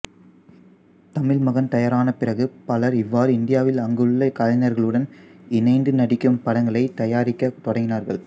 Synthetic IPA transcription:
t̪ɐmɪɭmɐɣɐnt̪ɐjɐɾaːnɐpɪrɐɣɯpɐlɐɾɪʋːaːɾɯɪnd̪ɪjaːʋɪlɐŋɡɯɭːɐkaːɻɪnɐɾɣɐɭɯɽɐnɪnɐɪnd̪ɯnɐɽɪkːɯmpɐɽɐŋɡɐɭɐɪt̪ɐjaːɾɪkːɐt̪ɔɽɐŋɡɪnaːɾɣɐɭ

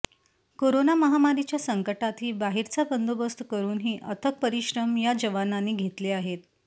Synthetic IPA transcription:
koɾonaməɦamaɾit͡ɕjasəŋkəʈat̪ɦiːbaɦiɾt͡sabənd̪ʱobəst̪kəɾuːnɦiːʔət̪ʰək̚pəɾiɕɾəmjad͡ʑəʋananːiːɡʱet̪leaɦet̪

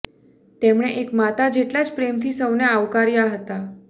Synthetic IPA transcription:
t̪emɽ̃eʔekmat̪ad͡ʒeʈlad͡ʒpɾemt̪ʰisəwneaʋkaɾjaɦət̪a

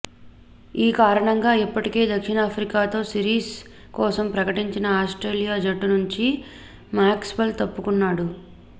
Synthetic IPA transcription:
iːkaːɾɐɳɐŋɡaːipːɐʈike̞ːd̪ɐkʂinaːpʰɾikaːt̪o̞ːsiɾiːs | kɔːsɐmpɾɐkɐʈiɲt͡ʃinɐaːsʈɾe̞ːlijaːd͡ʒɐʈːunuɲt͡ʃi | maːkspɐlt̪ɐpːukunːaːɽu

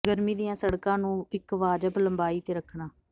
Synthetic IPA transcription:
ɡəɾmiːd̪ijãːsəɽkãːnũːɪkʋaːd͡ʒəpləmbaːiːt̪eːɾəkʰːɳaː

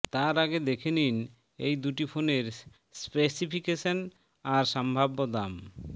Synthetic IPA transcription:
t̪aɾaɡed̪ekʰenin | ejd̪uʈifʰoneɾ | spesipʰikeʃon | aɾʃambʱabːod̪am

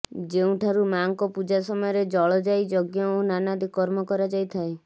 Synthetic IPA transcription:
d͡ʒeũʈʰaɾumaŋkɔpud͡ʒasɔmɔjɔɾed͡ʒɔɭɔd͡ʒajd͡ʒɔɡjɔonanad̪ikɔɾmɔkɔɾad͡ʒajt̪ʰae

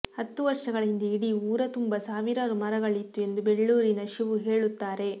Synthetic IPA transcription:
hɐt̪ːuʋɐɾʂɐɡɐɭind̪iiɽiuːɾɐt̪umbɐsaːʋiɾaːɾumɐɾɐɡɐɭit̪ːue̞nd̪ubeɭːuːɾinɐʃiʋuɦe̞ːɭut̪ːaːɾe̞

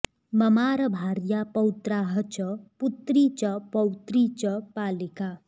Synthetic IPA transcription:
mʌmaɾʌbʱaɾjapʌwt̪raɦʌt͡ʃʌput̪rit͡ʃʌpʌwt̪rit͡ʃʌpaːlika

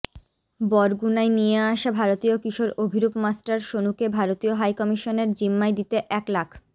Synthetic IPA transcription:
bɔɾɡunajnijeaʃabʱaɾot̪iokiʃoɾobʱiɾupmasʈaɾʃonukebʱaɾot̪ioɦajkɔmiʃoneɾd͡ʑimːajd̪it̪eʔɛklakʰ

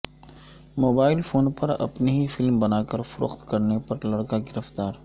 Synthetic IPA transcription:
moːbaːɪlfoːnpɐɾɐ̰pniɦifɪlmbɐnaːkɐɾfʊɾʊ̰qt̪kɐɾnepɐɾlɐɽkaɡɪɾəft̪aːɾ

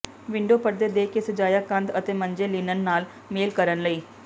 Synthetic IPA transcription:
ʋɪ̃ɳɖoːpəɾd̪eːd̪eːkesəd͡ʒaːjaːkə̃nd̪ət̪eːməɲd͡ʒeːliːnənːaːl | meːlkəɾənləiː

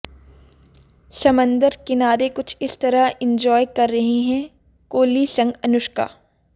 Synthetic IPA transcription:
sɐmə̃nd̪əɾkɪnaːɾekʊt͡ʃʰɪst̪ɐɾaɪ̃ɲd͡ʒɔːjkɐɾːɐɦiɦɛ̃ː | koːlisɐ̃ŋɡɐnʊʃka̰ː

